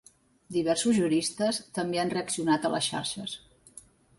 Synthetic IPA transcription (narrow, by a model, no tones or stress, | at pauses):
d̪iβɛrsuzʒuɾist̪əst̪əmbeanreəksiunat̪ələ̰sʃa̰ɾʃəs